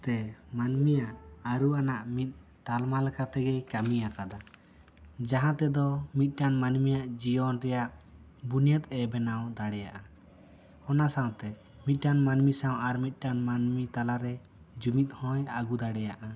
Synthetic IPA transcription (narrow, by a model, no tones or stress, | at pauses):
t̪ɛmanmijaʔaɾuanaʔmit̪̚ˀ | t̪almalɛkʰat̪ɛɡɛjkamijakad̪a | d͡ʒaɦãt̪ɛd̪ɔmit̪̚ˀʈanmanmijaʔd͡ʒijɔnɾɛjaʔ | bunjət̪̚ɛbɛnawd̪aɽɛja̰ʔa | hɔnasaw̃t̪ɛ | mit̪̚ˀʈanmanmisãwaɾmit̪̚ˀʈanmanmit̪alaɾɛ | d͡ʒumit̪̚hɔ̃jaɡud̪aɽɛjaʔa